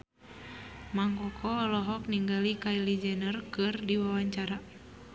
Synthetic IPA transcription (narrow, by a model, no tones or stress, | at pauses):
maŋkɔkʰɔɔlɔɦɔk̚niŋɡalikailid͡ʒɛnərkɨrdiwawaɲt͡ʃaɾa